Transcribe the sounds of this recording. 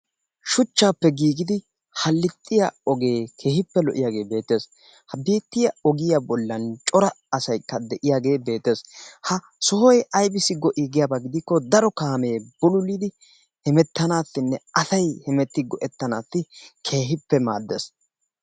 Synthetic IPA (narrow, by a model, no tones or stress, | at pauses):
ʃʊt͡ʃːaːpːɛɡiːɡɪd̪ɪ | hɐlːɪt̪ʼːɪjaɔɡe̞ːkʰe̞ːhɪpːɛlɔʔɪjaːɡe̞ːbe̞ːt̪ːe̞ːs | hɐbeːt̪ːɪjɐɔɡɪjabɔlːɐnt͡ʃʼɔɾɐːsɐjkːɐd̪ɛʔɪjaːɡe̞ːbe̞ːt̪ːe̞ːshɐ | sɔhɔjɐjbɪsɪɡɔʔɪɡɪjabɐɡɪd̪ɪkːɔd̪ɐɾɔkaːme̞ːb̥ɔlʊlid̪ɪ | hɛmɛt̪ːɐnaːt̪ːɪnːɛɐsɐjhɛmɛt̪ːɪɡɔʔɛt̪ːɐnaːt̪ːɪkʰe̞ːɦɪpːɛma̰ːd̪ːḛs